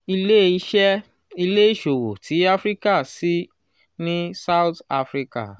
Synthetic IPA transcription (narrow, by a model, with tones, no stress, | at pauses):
i˧le˦i˦˧ʃɛ˦ | i˧le˦i˦˨ʃo˨wo˨tʰi˨˦a˦fɾi˦ka˦˨si˨˦ | nĩ˦sa˦wta˧fɾi˦ka̰˦˨